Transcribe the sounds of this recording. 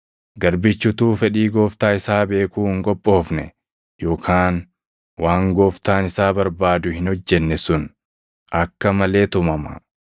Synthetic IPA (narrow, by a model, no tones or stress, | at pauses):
ɡɐɾbɪt͡ʃːʊt̪uːfɛᶑiːɡoːft̪aːɪsaːbe̞ːkuːhɪŋkʼɔpʼːo̞ːfnɛ̰ | jo̞ːkʰaːn | waːŋɡoːft̪aːnɪsaːbɐɾbaːd̪ʊhɪnhɔd͡ʒːɛnːɛsʊn | ʔɐkːɐmɐle̞ːt̪ʊmɐmɐ̰